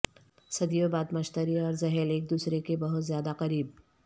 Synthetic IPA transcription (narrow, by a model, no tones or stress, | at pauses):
sɐd̪ijobaːd̪mɐʃt̪əɾiɔːɾzɐɦɛleːk̚d̪uːsɾekebɐɦʊt̪zjaːd̪aqɐɾiːb̚